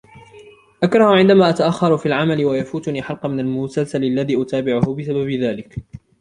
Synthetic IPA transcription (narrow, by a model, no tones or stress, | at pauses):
ʔakɾˤɑhʊʕɪnd̪amaːʔat̪aʔaxːɑɾˤʊfiːlʕamalɪwajafuːt̪ʊniːħɑlqɑmɪnalmʊsalsalalːaðiːʔʊt̪aːbɪʕʊhʊbɪsababɪðaːlɪk